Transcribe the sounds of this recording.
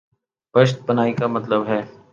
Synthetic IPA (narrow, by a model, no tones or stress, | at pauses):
pɐʃt̪̚bɐnaːikamɐt̪ləbɦɛː